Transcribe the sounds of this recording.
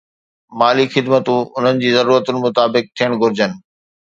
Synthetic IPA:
maːlixɪd̪mət̪ũʊn̤ənɪ̆d͡ʑiːzɐɾuːɾət̪ʊnɪ̆mʊt̪aːbɪk̚t̪ʰijəɽ̃ɡʱʊɾɪd͡ʑənɪ̆

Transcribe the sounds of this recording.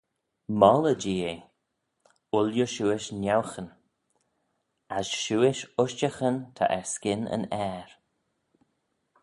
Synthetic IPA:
mɔləd͡ʒiːe | ʊljəʃuːɪʃnawxən | asʃuːɪʃʊʃt͡ʃəxənt̪ʰa̰ʔɛɹskɪnə̰nɛːɹ

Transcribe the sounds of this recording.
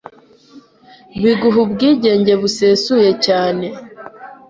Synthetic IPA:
βiɡuɦubɡiːɟe̞ːɲɟe̞βuseːsuje̞caːne̞

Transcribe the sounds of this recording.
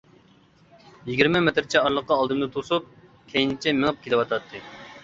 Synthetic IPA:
jiɡʲiɾmɛmet̪ɾt͡ʃʰɛɑɾlˠəqːɑːlˠd̪ɨmd̪ɨt̪ʰosup̚ | kʲʰejnɪt͡ʃʰɛmɪŋɨp̚kʲʰelɪwɑt̪ʰɑt̪ʰːɨ

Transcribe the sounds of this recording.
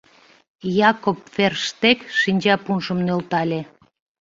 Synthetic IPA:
jɑkopferʃt̪ekʃinʲt͡ɕɑpunʃəmnølt̪ɑlʲe

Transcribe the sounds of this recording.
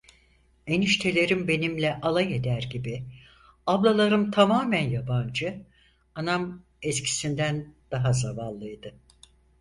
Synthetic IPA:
eniʃt̪ʰe̞lʲe̞ɾimbe̞nimlʲɛʔalˠaje̞d̪æɾɟibi | ablˠalˠaɾɯmt̪ʰamaːmænjaband͡ʒɯ | anam | ɛscʰi̥sind̪ænd̪̥aɦazavanllːˠɯjd̪ɯ

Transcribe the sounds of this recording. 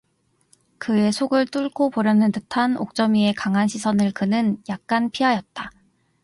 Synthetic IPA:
kɯe̞sʰoɡɯɭt͈uɭkʰopoɾjʌnɯntɯtʰano̰k̚t͡ɕ͈ʌmie̞kaŋɦanɕʰisʰʌnɯɭkɯnɯnjak̚k͈anpʰiɦajʌt̚t͈a

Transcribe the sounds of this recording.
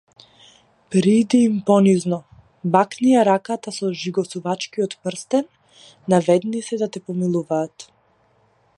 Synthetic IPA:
pɾid̪iːmpɔniznɔ | baknijaɾakat̪asɔʒiɡɔsuvat͡ʃkiɔt̪pr̩st̪ɛnː | avɛd̪nisɛd̪at̪ɛpɔmilˠuvaːt̪

